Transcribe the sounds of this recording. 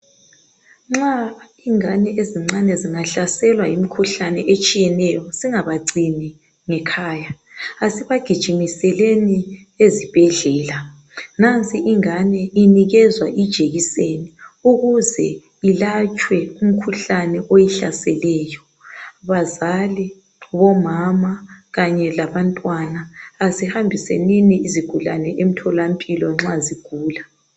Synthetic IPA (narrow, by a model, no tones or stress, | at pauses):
ŋ͡ǁa | iŋanɛʔeziŋ͡ǀanɛziŋaɬasɛlwajimikʰuɬanɛʔet͡ʃʼijɛnɛjɔsiŋaβaǀinɛ | ŋɛkʰaːja | asiβaɡ̥ʱid̥ʒ̥ʱimisɛleni | ezib̥ʱɛɮɛːla | nant͡sʼʰiʔiŋanɛiniɣɛzwaʔid̥ʒ̥ʱeɣiseniuɣuzɛ | ilat͡ʃʼwɛum̩kʰuɬanɛʔojɛɬa̰sɛlɛjɔ | βazali | βɔmamaɣaɲɛlaβantʼwanaːzihambʱisḛniniiziɡ̥ʱula̰nɛʔem̩tʰɔlampʼilɔŋ͡ǁaziɡ̥ʱuːla